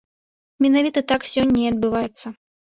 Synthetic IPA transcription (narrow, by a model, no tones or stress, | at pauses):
mʲɛnavʲit̪ɐit̪aksʲɔnʲːɐiɐd̪̚bɨvajɛt̪sːɐ